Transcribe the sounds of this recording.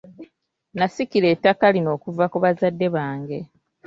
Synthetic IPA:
nasikile̞ːtːakalino̞ːkuvakuβazadːe̞βaːŋɡe̞

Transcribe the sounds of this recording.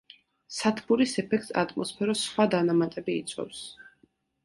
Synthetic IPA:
sat̪ʰbuɾisɛpʰɛk̚ʰt̪sa̰t̪ʼmɔspʰɛɾɔsχwad̪anamat̪ʼɛbḭːt̪sʰʼwɔ̰fs

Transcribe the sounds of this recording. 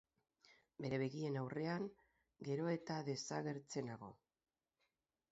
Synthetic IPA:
be̞ɾe̞βe̞ɣie̞nawre̞aŋ | ɡe̞ɾo̞e̞t̪aðe̞saɣe̞ɾt͡se̞naɣo̞̰

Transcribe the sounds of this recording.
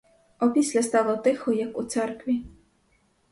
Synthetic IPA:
ɔpʲisʲlʲɐst̪ɑlˠɔt̪ɪxɔjakut̪sɛrkʋʲi

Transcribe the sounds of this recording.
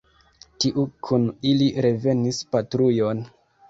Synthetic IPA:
tiʔukʰuniliɾe̞ve̞nispatɾujo̞n

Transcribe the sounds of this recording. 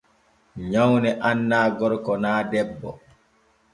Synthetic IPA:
ɲawnɛʔanːaːɡɔɾkɔnaːdɛbːɔ̰

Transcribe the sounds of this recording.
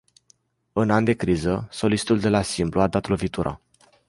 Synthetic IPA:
ɨnand̪e̞kɾizəso̞list̪uld̪e̞lasimpluad̪at̪lo̞vit̪uɾʔa̰

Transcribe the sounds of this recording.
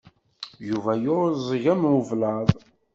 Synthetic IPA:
juvæjʊzˤəʝæmwəvlɑðˤ

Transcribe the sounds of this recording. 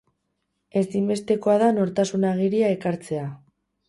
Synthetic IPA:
e̞simbe̞st̪e̞ko̞aðano̞ɾt̪asunaɣ̞iɾiae̞kaɾt͡se̞a

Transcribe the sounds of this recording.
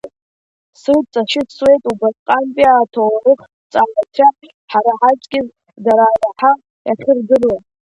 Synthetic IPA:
sɨlt͡sʼaʃɪtʰswe̞jtʼubatʼqʼanpʼiaːtʰowaɾɨχ | t͡sʼaːlat͡ʃʰaħ | ħaɾaħat͡ʃʼkʲɪz | daɾaːraħa | jʔaχʲɪrdɨrla

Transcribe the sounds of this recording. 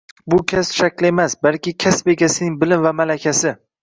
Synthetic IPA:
bʊkʲʰasʃakʲlɪe̞masbalkʲɪkʲʰasbe̞ɡʲasɪnɪŋbɪlɪmvamalakʲʰasɪ

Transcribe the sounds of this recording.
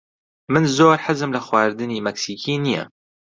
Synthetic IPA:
mɨnzoːɾħɪzɨmlɐxwaːɾd̪ɨniːmɐksiːkʰiːnijɛ̰

